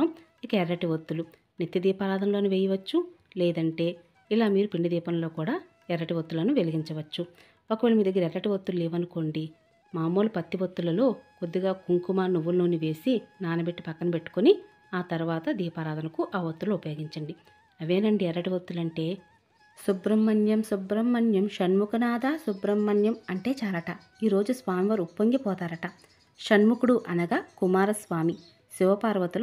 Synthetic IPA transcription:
ɐm | ikɐɛɾːɐʈiʋɐt̪ːulu | nit̪jɐd̪iːpaːɾaːd̪ɐnlo̞ːnuʋeːjɐʋɐt͡ʃːu | lɛːd̪ɐɳʈe̞ː | ilaːmiːɾupiɳɖɐd̪iːpɐnɐlo̞ːkuːɽaː | ɛɾːɐʈiʋɐt̪ːulɐnuʋe̞liɡiɲt͡ʃɐʋɐt͡ʃːu | okɐʋeɭɐmiːd̪ɐɡːɐɾɐɛɾːɐʈiʋɐt̪ːululeːʋɐnuko̞ɳɖi | maːmo̞ːlupɐt̪ːiʋɐt̪ːulɐlo̞ːko̞d̪ːiɡaːkuŋkumaːnuʋːulnoːniʋe̞ːsinaːnɐbe̞ʈːipɐkːɐnɐpe̞ʈːu̥koni | aːt̪ɐɾuʋaːt̪ɐd̪iːpaːɾaːd̪ɐnɐkuʔɐːʋɐt̪ːulɐupɐjoːɡiɲt͡ʃɐɳɖi | ɐʋe̞ːnɐɳɖiɛɾɐʈiʋɐt̪ːulɐɳʈe̞ː | subɾɐmːɐnjɐmsubɾɐmːɐnjɐmʃɐnmukɐnaːd̪aːsubɾɐmːɐnjɐmɐɳʈe̞ːt͡ʃaːlɐʈɐ | iːɾo̞ːd͡ʒusʋaːmiʋɐɾupːɐŋɡipɔːt̪aːɾɐʈɐ | ʃɐnmukuɽuʔɐnɐɡaːkumaːɾɐsʋaːmi | siʋɐpaːɾʋɐt̪ul

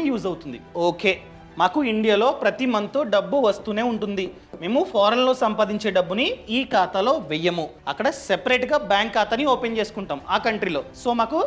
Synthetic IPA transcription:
juːzɐwut̪und̪ioːke̞ː | maːkuiɳɖijaːlo̞ːpɾɐt̪imɐnt̪oːɖɐbːuʋɐst̪uːne̞ːuɳʈund̪i | me̞ːmupʰaːɾɐnlo̞ːsɐmpaːd̪iɲt͡ʃe̞ːɖɐbːuniiːkaːt̪alo̞ːʋɛjːɐmuɐkːɐɽɐsepɐɾeːʈɡaːbjaːŋkːaːt̪ɐnːioːpent͡ʃeːsu̥kuɳʈaːmaːkɐɳʈɾilo̞ːso̞ːmaːku

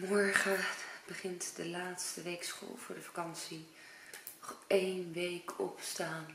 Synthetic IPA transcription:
mɔɹχəb̥əχɪntdəlaːtstəʋejksχo̰lˠv̥ʊːɹdəfakɑnsi | ɔχejnʋejkʰɔ̰pstaːn

